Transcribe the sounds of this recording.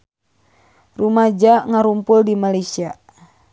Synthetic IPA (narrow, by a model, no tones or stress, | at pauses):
rumad͡ʒaŋaɾumpʊldimalajsia